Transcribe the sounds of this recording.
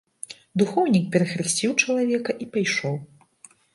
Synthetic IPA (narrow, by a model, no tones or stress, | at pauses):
d̪uxɔwnʲik̚pʲɛɾɐxɾɨsʲt͡sʲiwt͡ʂɐlˠavʲɛkɐʔipajʂɔw